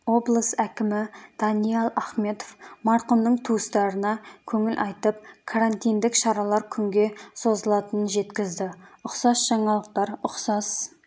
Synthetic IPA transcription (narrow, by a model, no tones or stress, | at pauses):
o̞blˠəsækʲɪmɪd̪̥ɑnijelˠɑχme̞t̪ofmɑɾqəmnəɴt̪ʰust̪ɑɾənɑkʲʰɵŋɪlʔɑjt̪əp̚kʰaɾant̪ijnd̪ɪkʃɑɾɑlˠɑɾkʲʰʏŋɡʲe̞so̞zəlˠɑt̪ənənʒe̞t̪kʲɪzd̪ɪʊqsɑsʒ̥ɑɴɑlˠəq̚t̪ɑɾʊqsɑs